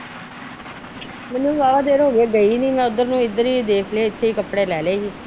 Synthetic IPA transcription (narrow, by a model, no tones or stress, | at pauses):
mɛnːũːbaːʋaːd̪eːɾɦoːɡeːɡəiːniːmɛ̃ːʊd̪əɾnũːɪd̪əɾiːd̪eːkʰleːɪt̪ʰːeːiːkəpɽeːlɛːleːɦiː